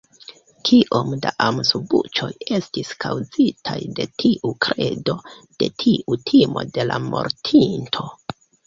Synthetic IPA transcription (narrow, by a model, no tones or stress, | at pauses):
kʰiʔo̞mdaʔamsubut͡ʃo̞je̞stiskʰawzitʰajde̞tʰiʔukɾe̞do̞d̥e̞tʰiʔutʰimo̞̰de̞lamo̞̰ɾtʰintʰo̞